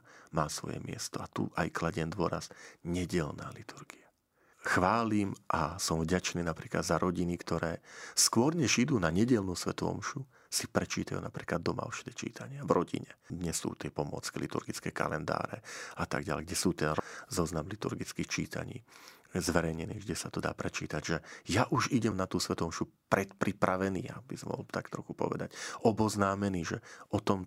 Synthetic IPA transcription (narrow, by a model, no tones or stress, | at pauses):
maːsʋɔ̰jɛ̰mɪɛ̰st̪ɔat̪ṵʔajklaɟɛnd̪ʊɔɾaz̥ɲɛɟɛlnaːlit̪ʰuɾɡia | xʋaːlimʔasɔmvɟat͡ʃniːnapɾiːklad̪zaɾʔɔɟinikt̪ɔɾɛːskʊɔɾɲɛʒid̪uːnaɲɛɟɛlnuːsʋɛt̪ɔʋɔ̰mʃu | sipɾɛt͡ʃiːt̪ajṵːnapɾiːklad̪ːɔma̰ɔʃɛ̥d̪ɛt͡ʃḭːt̪ʰaɲɪavɾʔɔɟḭɲɛd̪ɲɛsṵːt̪ɪɛpɔmɔ̰t͡skilit̪ṵɾɡit͡skɛːka̰lɛnd̪a̰ːɾɛ̰at̪a̰ɡɟa̰lɛɡɟɛsuːt̪ɛnɾɔzɔznamlit̪uɾɡit͡skixt͡ʃiːt̪a̰ɲḭː | zʋɛɾɛjɲɛniːɣɡɟɛsat̪ɔd̪a̰ːpɾɛt͡ʃiːt̪aɟʒɛjaʔuʒiɟɛmnat̪uːsʋɛt̪ɔɔmʃupɾɛt̪pɾipɾaʋɛniːa̰bisɔmʋɔ̰ɦɔlt̪akt̪ɾɔxupɔ̰ʋɛ̰d̪acɔbɔznaːmɛniːʒɛɔt̪ɔm